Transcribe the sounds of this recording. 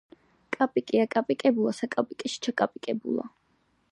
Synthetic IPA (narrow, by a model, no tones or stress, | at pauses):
kʼapʼikʼiakʼapʼikʼɛbulˠasakʼapʼikʼɛʃi̥t͡ʃʰakʼapʼikʼɛbṵlˠa̰